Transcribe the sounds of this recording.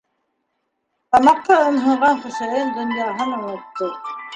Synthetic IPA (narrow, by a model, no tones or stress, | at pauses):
t̪ɑmɑqːɑɤ̆nɦɤ̆ɴʁɑnχɵ̆sæjɤnd̪ɵ̆njɑɦɤnɑnɑt̪ːɤ